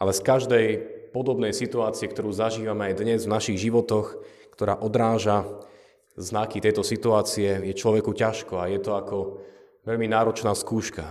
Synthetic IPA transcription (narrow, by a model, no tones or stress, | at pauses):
alɛskaʒd̪ɛjpɔd̪ɔbnɛjsit̪uaːt͡siɛk̚t̪ɔɾuːzaʒiːʋamɛajd̪ɲɛzvnaʃiɣʒiʋɔt̪ɔx | kt̪ɔɾa̰ːʔɔd̪ɾaːʒa | znakit̪ɛjt̪ɔsit̪uaːt͡siɛjɛt͡ʃlɔʋɛkucaʃkɔajɛt̪ɔakɔ | ʋɛʎminaːɾɔt͡ʃnaːskuːʃka